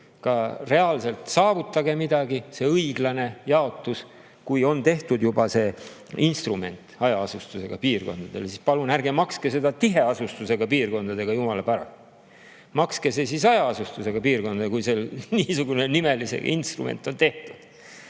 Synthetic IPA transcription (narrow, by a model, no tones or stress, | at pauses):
kɑre̞ɑlse̞lt̪sɑːvut̪ˑːɑɡe̞mid̪̥ɑɡise̞ɤjɡ̥lɑne̞jɑo̞t̪ːˑus | kujo̞nt̪e̞ht̪ud̪jubɑse̞ | inst̪rume̞nt̪ˑɑjɑɑsust̪use̞ɡ̥ɑpiːrko̞̰nd̪̥ɑd̪̥e̞lesispɑlunærɡe̞mɑkske̞se̞d̪ɑt̪iɦe̞ɑsust̪use̞ɡ̥ɑpiːrko̞nd̪̥ɑd̪e̞ɡ̥ɑjumɑlɑpæɾɑ̰lt̪ | mɑkske̞sesisɑjɑɑsust̪use̞ɡ̥ɑpiːrko̞nd̪ɑd̪ekujse̞lniːsuɡune̞nime̞lisḛɡɑ̰inst̪rṵmḛnt̪ːˑo̞nt̪e̞ht̪ud̪̥